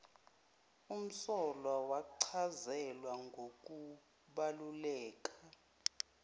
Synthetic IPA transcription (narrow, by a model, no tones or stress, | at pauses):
um̩sɔlawaǀʰazɛlwaŋɡʱok̬ʼu | ɓalulɛːk̬ʼa